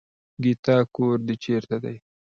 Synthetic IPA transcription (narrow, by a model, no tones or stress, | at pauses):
ɡit̪ɑkoɾd̪ət͡ʃeɾt̪ad̪aj